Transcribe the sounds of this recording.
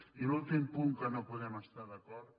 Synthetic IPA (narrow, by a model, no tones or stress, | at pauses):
ilult̪impuŋkənopuðɛməst̪aðɐkɔɾt